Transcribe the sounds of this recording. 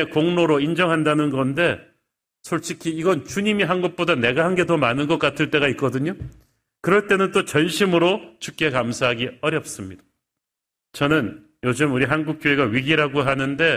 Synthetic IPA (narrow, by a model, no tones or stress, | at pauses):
ekoŋnoɾoind͡ʑʌŋɦandanɯnɡʌnde̞ | sʰoɭt͡ɕʰikʰiːɡʌnt͡ɕuɲimiɦanɡuk̚p͈odane̞ɡaɦanɡe̞tʌmanɯnɡʌk͈atʰɯɭt͈e̞ɡaik̚k͈ʌdɯɲo | kɯɾʌɭt͈e̞nɯnt͈ot͡ɕʌnɕʰimɯɾot͡ɕʰuk̚k͈e̞kamsʰaɦaɡiʌɾjʌp̚s͈ɯmɲid̥ḁ | t͡ɕʌnɯn | jod͡ʑɯmuɾiɦanɡuk̚k͈joɦe̞ɡaɥiɡiɾaɡoɦanɯnde̞